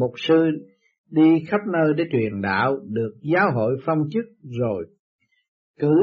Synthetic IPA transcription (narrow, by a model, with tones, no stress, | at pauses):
mo˨˩k͡p̚sɨ˧ | ɗi˧xa˦˥p̚nəː˧jɗe˨˦t͡ɕwi˨˩ənɗa̰ː˧˨wɗɨ˨˩ək̚zaː˨˦wɦo̰˧˨jfa˧wŋ͡mt͡ɕɨ˦˥k̚zo˨˩j | kɨ˧˩